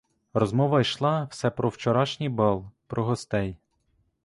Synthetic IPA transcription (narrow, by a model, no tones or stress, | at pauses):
rɔzmɔʋɐjʃlˠɑwsɛpɾɔwt͡ʃɔɾɑʃnʲibɑlˠpɾɔɦɔst̪ɛj